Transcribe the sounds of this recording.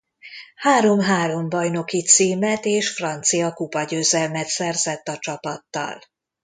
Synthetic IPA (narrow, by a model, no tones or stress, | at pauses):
haːɾo̞mɦaːɾo̞mbɒjno̞kit̪siːmɛt̪eːʃfrɒnt̪sijɒkupɒɟøːzɛlmɛt̪sɛrzɛt̪ːɒt͡ʃɒpɒt̪ːɒ̰l